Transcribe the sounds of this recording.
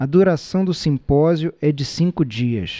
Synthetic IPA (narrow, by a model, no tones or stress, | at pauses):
ɐd̪uɾasɐ̃w̃d̪ʊsĩmpɔzjʊɛd͡ʒɪsĩŋkʊd͡ʒiɐ̰s